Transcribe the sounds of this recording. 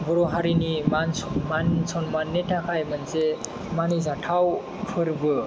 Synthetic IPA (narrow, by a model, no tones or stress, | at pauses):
bɔɾɔɦaɾinimanmansʰɔnmanetʰakʰajmɯnse | manizaʈʰaw | pʰɯɾbɯ